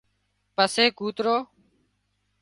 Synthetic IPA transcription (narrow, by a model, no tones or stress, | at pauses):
pəseːkuːt̪ɾoː